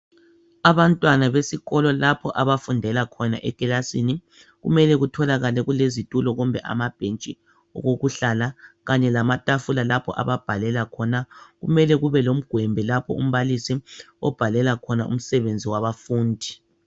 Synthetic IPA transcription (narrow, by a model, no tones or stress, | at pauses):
aβantʼwanaβesiɣɔlɔlapʰɔʔaβafundʱɛlakʰɔna̰ʔɛkʼɛlasini | ɣṵmɛlɛɣutʰɔlaɣalɛɣulezitʼulɔɣumbʱɛʔa̰mab̥ʱent͡ʃʼi | ɔ̰ɣoɣuɬalaɣaɲɛlamatʼafulalapʰɔ̰ʔa̰βab̥ʱalɛlakʰɔnaɣumɛlɛɣuβɛlom̩ɡ̥ʱwɛmbʱɛlapʰɔ̰ṵm̩βalisi | ɔ̰b̥ʱalɛlakʰɔnaʔṵm̩sɛβend͡zʱiwaβafuːndʱi